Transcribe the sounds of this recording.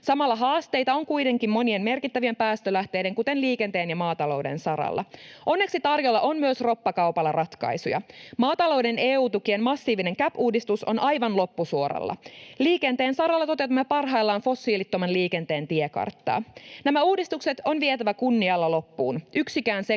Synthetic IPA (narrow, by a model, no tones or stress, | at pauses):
sɑmɑlːɑɦɑːst̪e̞jt̪ɑo̞ŋkujt̪e̞ŋkimmo̞nie̞nme̞rkit̪ːæʋie̞mpæːst̪ølæht̪e̞ːjde̞ŋkut̪e̞nliːke̞nt̪e̞ːnjɑmɑːt̪ɑlo̞wde̞̰nsɑɾɑ̰lːɑ̰ʔo̞nːe̞ksit̪ɑrjo̞lːɑʔo̞nmyøsro̞pːɑkɑwpɑlːɑrɑt̪kɑ̰isujɑ̰mɑːt̪ɑlo̞wde̞neːuːt̪ukienmɑsːiːʋine̞ŋkæpuːdist̪uso̞̰nʔɑjʋɑnlo̞pːusuoɾɑ̰lːɑ̰liːkent̪e̞ːnsɑɾɑlːɑt̪o̞t̪e̞wt̪ɑmːepɑrɦɑjlːɑːnfo̞sːiːlit̪ːo̞mɑnliːke̞nt̪e̞ːnt̪iekɑ̰rt̪ːɑ̰ːnæmæuːdist̪ukse̞t̪o̞nʋiet̪æʋækunːiɑlːɑlo̞pːuːnyksikæːnse